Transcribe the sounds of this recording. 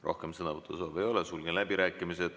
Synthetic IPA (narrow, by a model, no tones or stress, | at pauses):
rʔo̞̰hkemsɤnɑvɤt̪ˑːusɑːbe̞jo̞lɛsulɡ̥enlæb̥iɾæːkːˑimised̪̥